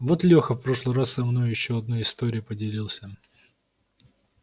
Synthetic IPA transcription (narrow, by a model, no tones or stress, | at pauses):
vot̪lʲoxəfpɾo̞ʂlˠɨɾasːɐmno̞jʊjɪɕːoɐd̪̚nojɪst̪oɾʲɪjʊpədʲɪlʲilˠsʲə